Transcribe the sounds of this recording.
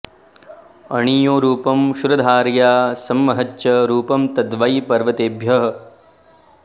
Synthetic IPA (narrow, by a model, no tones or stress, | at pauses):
ɐɳiːjoːɾuːpɐmʃuɾɐd̪ʱaːɾjaːsɐmːɐɦɐtːʃɐɾuːpɐmt̪ɐd̪ʋɐjpɐɾʋɐt̪eːbʱjɐɦ